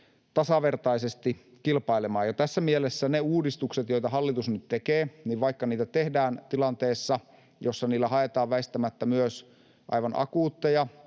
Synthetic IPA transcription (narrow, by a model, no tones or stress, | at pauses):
t̪ɑsɑʋert̪ɑisest̪i | kilpɑilemɑːjɑt̪æsːæmielesːæneuːdist̪ukset̪joit̪ɑɦɑlːit̪usnyt̪t̪ekeːniːʋʋɑikːɑniːt̪æt̪ehdæːnt̪ilɑnt̪eːsːɑ | josːɑniːlːæhɑet̪ɑːʋʋæist̪æmæt̪ːæmyøs | ʔɑ̰iʋɑnʔɑ̰kuːt̪ːejɑ